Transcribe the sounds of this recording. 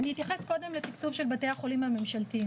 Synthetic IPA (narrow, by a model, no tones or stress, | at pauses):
anihit̪jaχe̞sko̞de̞mlet̪ikt͡suvʃe̞lbate̞jaχo̞limhame̞mʃalti